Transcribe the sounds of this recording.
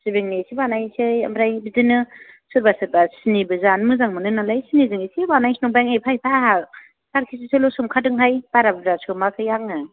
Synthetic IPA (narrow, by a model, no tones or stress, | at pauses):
sibiŋnesʰibanajsɯja̰mɾajbidɯnɯ | sɯɾbasɯɾbasinibɯzanmɯzaŋmɯnɯnalajsinizɯŋisibanajsinɔŋbaŋepʰajpʰaha | saɾkʰis̬isɯlosumkʰadɯŋɦajbaɾabbɾasʰumakʰɯjaŋɯ